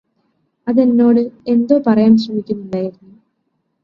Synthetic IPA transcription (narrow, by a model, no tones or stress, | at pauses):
ɐðe̞nːo̞ːɽɨe̞nd̪o̞ːpɐrɐjaːmsrɐmikʲːunːuɳɖaːjiɾunːu